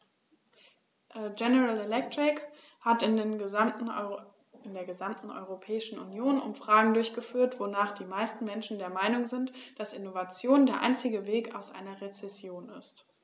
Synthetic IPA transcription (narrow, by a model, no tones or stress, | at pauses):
ʔɛd͡ʒɛnəʁalelɛk̚tʁ̥ɪk | hatɪnen | ɪndeːɐɡəzamtn̩ʔɔ̰ʏʁ̞opʰɛːɪʃn̩ʊ̰njoːnʔʊ̰mfʁ̥aːɡŋ̩dʊɐçɡ̥əfyːɐtv̥onaːχd̥iːmaɪstn̩mɛnʃn̩deːɐmaɪnʊŋzɪntd̥asʔɪnovat͡sjoːndeːɐʔa̰ɪnt͡sɪɡəveːkaʊsʔa̰ɪnɐʁet͡sɛsjoːnɪst